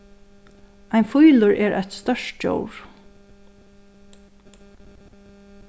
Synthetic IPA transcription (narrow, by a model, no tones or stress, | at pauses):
aɪnfujlʊɹɛːɹʔa̰jt̪st̪œʂt̪t͡ʃo̰wɹ̥